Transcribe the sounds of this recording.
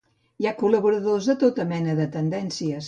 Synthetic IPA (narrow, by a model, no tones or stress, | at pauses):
jakuləβuɾəðozðət̪ot̪əmɛnəðət̪ənd̪ɛnsiəs